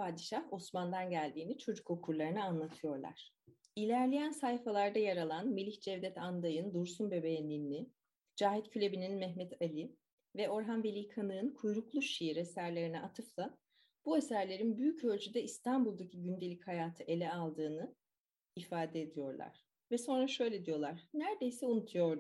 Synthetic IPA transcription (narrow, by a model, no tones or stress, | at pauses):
pʰaːd̪iʃaho̞smand̪anɟælʲd̪iːnit͡ʃʰo̞d͡ʒuko̞kʰuɾlˠaɾɯnɯanlˠat̪ʰɯjo̞ɾlˠa̰ɾ̥ | ilʲæɾlʲejænsajfalˠaɾd̪ajaɾalˠanmilʲiçd͡ʒɛvd̪ɛt̪ʰand̪ajɯnd̪uɾsunbe̞bejnʲiːni | d͡ʒaːɦit̪cʰylʲe̞bininmɛɦmɛt̪ʰalʲi | vɛo̞ɾɦanvelʲiːkʰanɯnkʰujɾuklˠuʃijiɾesæɾlʲe̞ɾinɛʔat̪ʰɯflˠa | b̥uesæɾlʲe̞ɾinbyjycølʲd͡ʒʰyd̪ɛist̪ʰanbulˠd̪acʰiɟynd̪e̞lʲichajaːt̪ʰɯʔe̞lʲɛalˠd̪ɯːnɯ | ifaːd̪ɛed̪ijo̞ɾlˠa̰ɾ̥ | vɛso̞nɾaʃø̞jlʲed̪ijo̞lˠaɾ̥næɾd̪e̞jsɛunut̪ʰujo̞ɾ